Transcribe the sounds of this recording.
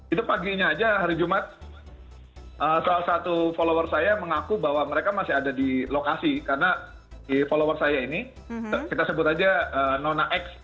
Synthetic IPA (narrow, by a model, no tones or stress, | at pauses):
it̪upaɡiɲaːd͡ʒaɦaɾid͡ʒumat̪̚ | ʔəsalasat̪ufolowərsajaməŋakubaɦwaməɾekamasɪɦadadilokasikaɾəna | ifolowərsajaini | əkit̪asəbʊt̪ad͡ʒaəːnonaʔɛks